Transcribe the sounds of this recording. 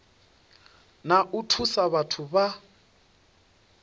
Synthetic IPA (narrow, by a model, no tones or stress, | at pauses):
naʔutʰusaβatʰuβa